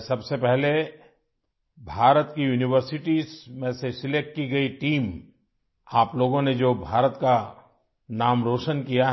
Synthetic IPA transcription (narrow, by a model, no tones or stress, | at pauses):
sɐbsepɛɦle | bʱaːɾət̪kijuːnɪwəɾsɪʈiːzmẽsesɪlek̚ʈkiɡɐiʈiːm | aːploːɡõned͡ʒoːbʱaːɾət̪ka | naːmɾoːʃənkijaɦ